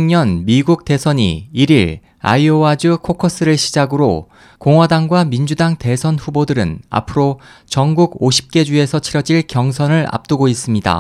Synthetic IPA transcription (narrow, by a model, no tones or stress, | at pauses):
ŋɲʌnmiɡuk̚te̞sʰʌɲḭiɾiɭ | a̰ioad͡ʑukʰokʰʌs͈ɯɾɯɭɕʰid͡ʑaɡɯɾo | koŋɦwadaŋɡwamind͡ʑudaŋte̞sʰʌnɸubodɯɾɯ̰na̰pʰɯɾot͡ɕʌŋɡuɡoɕʰi̥p̚k͈e̞d͡ʑue̞sʰʌt͡ɕʰiɾʌd͡ʑiɭkjʌŋsʰʌnɯɭa̰p̚t͈uɡois͈ɯmɲida̰